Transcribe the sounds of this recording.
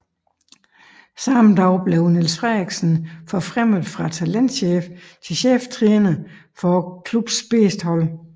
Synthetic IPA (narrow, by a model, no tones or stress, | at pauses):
sɑ̈md̥ɑʊb̥le̝onilsfʁɛɡ̥sn̩fɒfʁɛm̰ð̩ˠfʁɑ̈t͡sʰælen̰d̥ɕeːft͡sʰe̝lɕeːft͡sʰʁiːnə | fɒkʰlub̥sb̥e̝ːsd̥hɒ̽l̰